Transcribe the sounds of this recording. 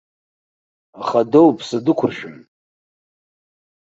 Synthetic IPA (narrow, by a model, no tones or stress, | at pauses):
aχadowpʰsadɨkʷʰʊrʃᶣɪm